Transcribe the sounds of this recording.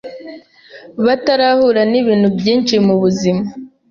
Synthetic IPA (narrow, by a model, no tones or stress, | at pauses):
βataɾahuɾaniβiːnhubjiːnt͡ʃimuβuzima